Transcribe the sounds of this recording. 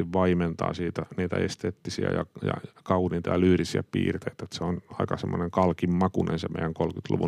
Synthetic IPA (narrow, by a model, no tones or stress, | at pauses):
iʋʋɑiment̪ɑ̰ːsiːt̪æniːt̪æest̪eːt̪ːisiæ̰jɑjɑ̰kɑunint̪ɑjɑlyːrisiæpḭːrt̪eit̪æet̪seonɑikɑsemːoneŋkɑlkimmɑkunḛnsemeijæŋkolkyt̪lṵʋu